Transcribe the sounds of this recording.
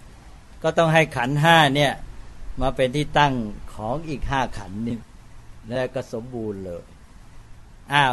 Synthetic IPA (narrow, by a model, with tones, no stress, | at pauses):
kɔː˥˩t̪ɔ˥˩ŋɦa˥˩jkʰa˩˦nɦaː˥˩ni˥˩ɐmaː˧pe˧nt̪ʰiː˥˩t̪a˥˩ŋkʰɔː˩˦ŋʔiː˨˩k̚ɦaː˥˩kʰa˩˦nːɯ˥˩ŋ | lɛː˦˥˩kɔː˥˩so˩˦mbuː˧nlɤː˧j | ʔaː˧˩